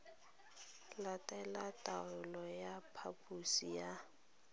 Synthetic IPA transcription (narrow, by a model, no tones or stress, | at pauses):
latʼɛlatʼaʊlɔjapʰapʼusija